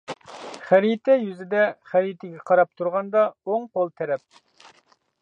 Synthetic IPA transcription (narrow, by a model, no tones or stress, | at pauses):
χæɾit̪ʰɛjyzɪd̪ɛχæɾit̪ʰɛɡʲɛqʰɑɾɑp̚t̪ʰuɾʁɑnd̪ɑoŋqolˠt̪ʰɛɾɛp̚